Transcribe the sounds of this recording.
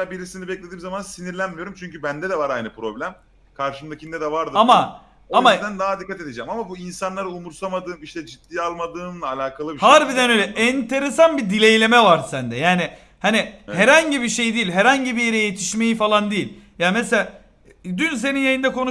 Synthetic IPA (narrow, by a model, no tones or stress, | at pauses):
abiɾisinibɛclʲe̞d̪iːmzamansiniɾlʲænmijo̞ɾumt͡ʃʰyɲcybænd̪ɛd̪ɛvaɾajnɯpɾo̞blʲæm | kʰaɾʃɯmd̪acʰind̪ɛd̪ɛvaɾd̪ɯama | amad̪ænd̪aɦad̪ikːat̪ed̪ed͡ʒɛmamabuinsanlˠaɾɯumuɾsamad̪ɯːniʃt̪ɛd͡ʒit̪ːiːalˠmad̪ɯːnalʲaːkʰalˠɯbihaɾbid̪ɛnø̞jlʲɛʔɛnt̪ʰe̞ɾesanbid̪ilʲejlʲe̞mɛvaɾsænd̪ɛjaːnɪ | hanihæɾhaɲɟibiʃe̞jd̪iːilʲɦæɾhaɲɟibijeɾejet̪ʰi̥ʃme̞jifalˠand̪ijilʲ | jaːmeselʲaː | d̪yns̬e̞ninjajɯnd̪ɛkʰo̞nu